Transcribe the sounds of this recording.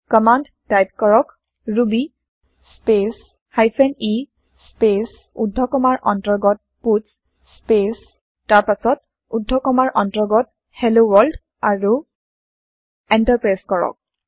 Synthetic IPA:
kɔmand | tajp̚kɔɹɔk | ɹubi | spes | hajpʰɛni | spes | udʱɔkɔmaɹʔɔntɔɹɡɔt̚pus | spes | taɹpasɔt | udʱːɔkɔmaɹʔɔntɔɡɔt | helowɔld | aɹu | ɛntaɹpɹajskɔɹɔ̰k̚

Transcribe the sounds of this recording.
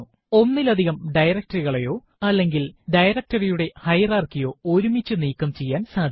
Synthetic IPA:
u | o̞nːilɐd̪ʱiɣɐmɖɐjɾɐk̚tɐriɣɐɭejo̞ː | ɐlːe̞ŋɡilɖɐjɾɐk̚tɐrijuɽe̞hɐjɐraːrkijo̞ːoɾumit͡ɕːɨniːkːɐmt͡ɕe̞jːaːnsaːd̪ʱ

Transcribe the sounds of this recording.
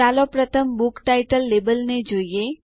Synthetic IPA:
alopɾət̪ʰəmbukʈajʈəlːebəlned͡ʒoije

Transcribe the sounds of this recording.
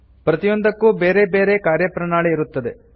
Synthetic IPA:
pɾɐt̪ijond̪ɐkːuːbe̞ːɾe̞be̞ːɾe̞kaːɾjɐpɾɐɳaːɭiiɾut̪ːɐd̪e̞

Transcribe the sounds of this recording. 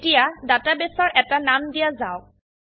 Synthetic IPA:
tijadatabesɔɹʔɛtanamdijazaʊ

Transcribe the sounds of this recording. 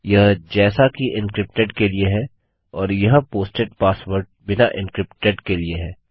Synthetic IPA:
jɐɦd͡ʒɛːsakiʔɪ̃nkɾɪp̚ʈeɖkelieɦɛ | ɔːɾjɐɦpoːsʈeʈ̚paːsʋəɾʈ̚bɪnaʔɪ̃nkɾɪpʈeɖkelieɦɛː

